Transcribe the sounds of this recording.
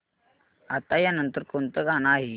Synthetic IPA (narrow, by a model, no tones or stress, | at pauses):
at̪ajanənt̪əɾkont̪əɡanaɦi